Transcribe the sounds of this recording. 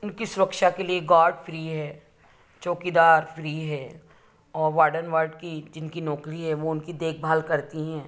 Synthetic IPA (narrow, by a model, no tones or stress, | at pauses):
ʊnkisʊɾəkʃakelieɡaːɾɖfʰɾiːɦɛː | t͡ʃoːkid̪aːɾfʰɾiːɦɛː | ɔːɾʋaːɖənʋaːɾɖkid͡ʒɪnkinɔːkɾiɦɛʋoʊnkid̪eːk̚ʰbʱaːlkɐɾt̪iɦɛ̃ː